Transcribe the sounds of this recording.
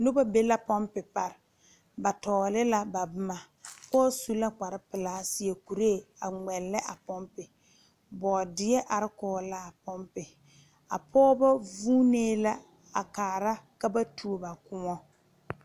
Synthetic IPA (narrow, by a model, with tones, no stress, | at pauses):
nʊ˦ba˦be˦la˦pɔ˦mpɪ˨pa˨ɾɪ˨ | ba˨tɔː˨lɪ˦la˦ba˨bʊ˦ma˨ | pɔː˦su˦la˦k͡pa˨ɾɪ˦pɪ˨laː˨˦sɪ˦ɛ˨ku˨ɾe˦˨a˨ŋɛ˨lːɪ˦ʔa˨pɔ˦mpɪ˨ | bɔː˨dɪ˦ɛ˦ʔa˨ɾɪ˦kɔː˦la˦˨pɔ˦mpɪ˨ | a̰˨pʰɔː˦ba˦vuː˦neː˦la˦ | a˨kaː˨ɾa˦ka˦ba˦tʰu˨˦o˦ba˨kʊ˦ŋɔ˦